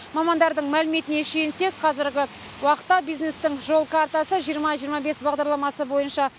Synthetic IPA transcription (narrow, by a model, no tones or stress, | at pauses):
mɑmɑnd̪ɑɾd̪əɴmælɪme̞t̪ɪne̞ʃense̞kqʰɑzɪɾɡʲɪ | wɑqə̥t̪ːɑbijzne̞st̪ɪŋʒo̞lˠkʰaɾt̪asəʒijəɾmɑʒijəɾmɑbe̞sbɑʁd̪ɑɾlˠɑmɑsəbo̞jənʃɑ